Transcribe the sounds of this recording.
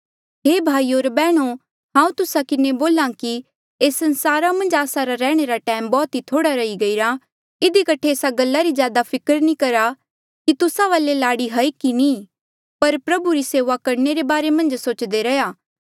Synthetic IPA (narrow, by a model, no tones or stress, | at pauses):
ɦeːbʱaːioːɾbɛːɽ̃o | ɦãːũt̪ʊsakɪneboːlãki | eːsɐ̃nsaːɾamɐ̃nd͡ʒaːsaɾaɾɛːɽ̃eɾaʈɛːmbɔːt̪ɦit̪ʰoːɽaɾɐiɡɐiɾa | ɪd̪ikɐʈʰeeːsaɡɐlːaɾizjaːd̪apʰɪkəɾnĩkɐɾa | kit̪ʊsaʋaːlelaːɽiɦɐikini | pɐɾpɾɐbuɾiseːʋakɐɾneɾebaːɾemɐ̃nd͡ʒsoːt͡ʃd̪eɾɐjaː